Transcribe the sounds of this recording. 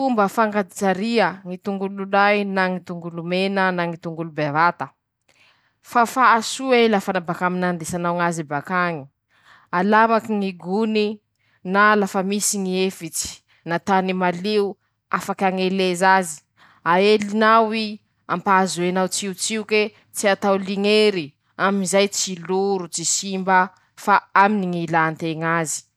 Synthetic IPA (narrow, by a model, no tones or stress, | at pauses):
umbəfaŋɡad̪it͡saɾiəŋit̪uŋɡululajnaŋit̪uŋɡulumenənaŋit̪uŋɡulubevat̪ə | fafaːsuelafanabakaminand̪esanawŋazibakaŋi | alamakiŋiɡuni | nalafəmisiŋiefit͡si̥ | nat̪animaleu | afakaŋelezazi̥ | aelinawi | a̰mpazuenawt͡siut͡siuke | t͡siat̪awliŋeɾi | aminzajt͡siluɾut͡sisimbə | faaminiŋilant̪eŋazi̥